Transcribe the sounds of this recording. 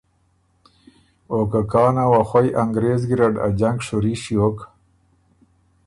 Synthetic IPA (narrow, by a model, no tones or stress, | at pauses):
okakɑːnawaxwajʔaŋɡɾeːzɡiɾaɖa̰d͡ʑaŋkʂuɾiɕiok